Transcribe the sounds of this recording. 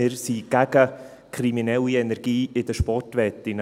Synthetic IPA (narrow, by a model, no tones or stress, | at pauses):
ɪɾsiɡ̥æɡ̥ə | kʰɾiminɛlːiɛnɛɾɡ̥iːɪd̥̪əʃpɔrtʋɛtːɪn